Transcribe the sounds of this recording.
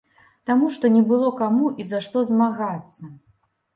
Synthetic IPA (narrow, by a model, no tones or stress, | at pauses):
t̪amuʂt̪ɔnʲɛbɨlˠɔkamuʔizaʂt̪ɔzmaɣat̪sːɐ